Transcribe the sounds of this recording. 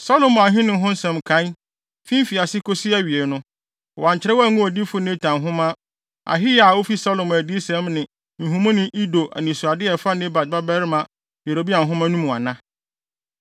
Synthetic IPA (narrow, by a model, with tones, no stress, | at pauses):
sa˦lo˨m˨ã˨ɦɪ̃˦nɪ̃˨˦ɦʊ̃˦n˦sɛ̃˨mkʰã˨˦n | fĩ˦m˦fi˨a˨sɪ˦kʰo˦si˦æ˦ɥi˨e˨nʊ̃˦ | ɔ˨wã˨ɲt͡ɕɪ˨˦ɾɛ˦wɔ˦æ˦˨ŋũ˦ɔ˨di˦fʊ˦nẽ˦tʰã˨mɦʊ̃˦mã˦ | a̰˨ɦɪ˦ja˨wo˦fi˦sa˦lo˨m˨æ˨di˦sɛ̃˦mnɪ̃˨ | ñ̩˨ɦũ˨˦mʊ̃˦nɪ̃˦ʔi˦do˨ʔæ̰˨nĩ˨sʊ˨a˨dɪ˦ɛ˨fa˦nẽ˦ba˨d̚ba˦bɛ˦ɾmã˨ | be˨ɾo˨bi˦a˨ɦʊ̃˦mã˦nũ˦mũ˨a̰˨nã˦